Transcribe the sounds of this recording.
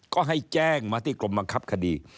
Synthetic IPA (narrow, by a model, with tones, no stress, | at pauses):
kɔː˥˩ɦa˥˩jt͡ɕɛː˥˩ŋmaː˧t̪ʰiː˧˥˩klo˧mba˧ŋkʰa˦˥˩p̚kʰa˧diː˧